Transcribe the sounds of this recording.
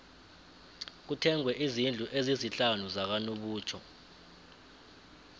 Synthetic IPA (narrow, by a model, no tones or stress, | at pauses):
k̬utʰɛŋwɛʔizind͡ɮʱuʔeziziɬanuzak̬anoɓuːt͡ʃʰɔ̰